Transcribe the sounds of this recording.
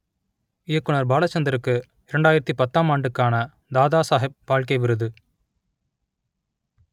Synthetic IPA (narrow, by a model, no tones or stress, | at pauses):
ɪjɐkːʊnɐɾbaːlɐt͡ʃːɐnd̪ɪɾɯkːɯ | ɪɾɛɳɖaːjɪɾɐt̪ːipɐt̪ːaːmaːɳɖɯkːaːnɐ | d̪aːðaːsaːɦɪp̚ːaːɻkɐɪʋɪɾɯðɯ